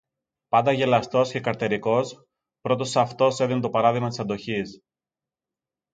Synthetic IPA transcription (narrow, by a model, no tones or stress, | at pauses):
pɐnd̪ɐʝe̞lɐst̪o̞sce̞kɐɾt̪eɾiko̞s | pɾo̞t̪o̞sɐft̪o̞se̞ðinet̪o̞pɐɾɐðiɣmɐt̪i̥sɐnd̪o̞çis